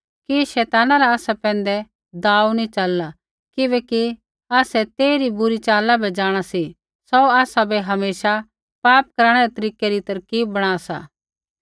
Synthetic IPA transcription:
kiʃɛːt̪aːnaɾaaːsapɛ̃ːnd̪ɛ | d̪aːunĩt͡ʃaːlːa | kɪbɛki | aːsɛt̪eːɾibʊɾit͡ʃaːlabɛd͡ʒaːɽ̃asi | sɔuaːsabɛɦɐmeːʃa | paːp̚kɐɾaːɽ̃ɛɾɛt̪ɐɾiːkɛɾit̪ɐɾkibɐɽ̃aːsa̰ː

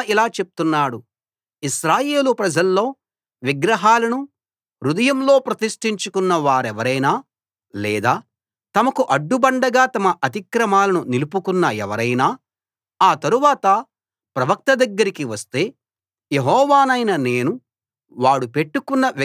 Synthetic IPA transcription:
ilaːt͡ʃe̞p̚t̪unːaːɽu | iʃɾaːje̞ːlupɾɐd͡ʒɐlːo̞ː | ʋiɡɾɐɦaːlɐnu | ɾud̪ɐjɐmlo̞ːpɾɐt̪iʂʈiɲt͡ʃukunːɐʋaːɾɛʋɐɾɐjnaː | lɛːd̪aː | t̪ɐmɐkuʔɐɖːubɐɳɖɐɡaːt̪ɐmɐʔɐt̪ikɾɐmaːlɐnunilupukunːɐɛʋɐɾɐjnaː | aːt̪ɐɾuʋaːt̪ɐ | pɾɐʋɐk̚t̪ɐd̪ɐɡːɐɾikiʋɐst̪e̞ː | jeɦɔːʋaːnɐjnɐne̞ːnu | ʋaːɽupe̞ʈːukunːɐʋ

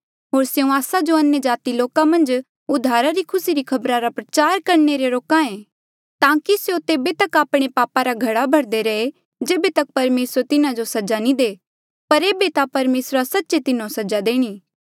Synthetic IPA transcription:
ɦoːɾseũaːsad͡ʒoɐnjəd͡ʒaːt̪iloːkamɐ̃nd͡ʒ | ʊd̪ʱaːɾaɾikʰʊsiɾikʰɐbɾaɾapɾɐt͡ʃaːɾkɐɾneɾeɾoːkãẽ | t̪ãːkisjot̪eːbet̪ɐkaːpɽ̃epaːpaɾaɡʱɐɽabʱɐɾd̪eɾɐe | d͡ʒeːbet̪ɐk̚pɐɾmeːsət̪ɪnad͡ʒosɐd͡ʒanid̪eː | pɐɾeːbet̪apɐɾmeːsɾasɐtːʃet̪ɪnõsɐd͡ʒad̪eːɽ̃iː

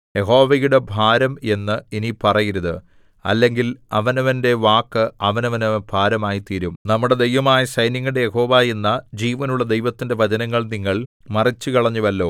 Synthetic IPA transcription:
je̞ɦo̞ːʋɐjuɽe̞bʱaːɾɐme̞nːɨinipɐrɐjiɾuðɨ | ɐ̰lːe̞ŋɡilɐ̰ʋɐnɐʋɐnde̞ʋaːkːɨɐʋɐnɐʋɐnɐɐbʱaːɾɐmaːjit̪iːɾumnɐmːuɽe̞d̪e̞jʋɐmaːjɐsɐjniŋːuɽe̞jeɦo̞ːʋaːjenːɐd͡ʑiːʋɐnuɭːɐd̪e̞jʋɐt̪ːinde̞ʋɐd͡ʑʱɐnɐŋːɐɭniŋːɐɭ | mɐrɐt͡ɕːɨkɐɭɐɲːuʋɐlːo̞̰ː

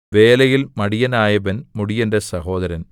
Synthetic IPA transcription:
ʋe̞ːlɐjilmɐɽijɐnaːjɐbɐnmuɽijɐndesɐɦo̞ːd̪ɐɾɐn

